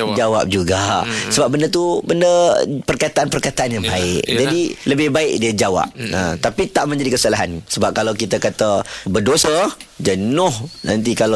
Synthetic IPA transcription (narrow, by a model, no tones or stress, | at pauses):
d͡ʒawa̰p̚d͡ʒuɡasəbap̚bəndət̪̬ubəndəpərkat̪aʔanpərkat̪aʔanjaŋbaɪk̚d͡ʒadiləbɪhbaɪk̚diəd͡ʒawa̰p̚ət̪apit̪aʔmə̃ɲd͡ʒadikəsalaɦansəbap̚kalawkit̪akat̪əbərdosəd͡ʒənʊhna̰nt̪̬ikala